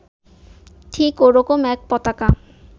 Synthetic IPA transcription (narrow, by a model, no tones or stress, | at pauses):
ʈʰikoɾɔkomɛk̚pɔt̪aka